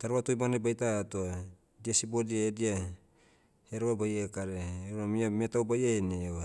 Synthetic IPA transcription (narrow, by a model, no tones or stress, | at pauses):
taɾoβatojmanebajtatoa | diasibodiaedia | heɾoβabajekaɾeːuɾamiametauwbajeenea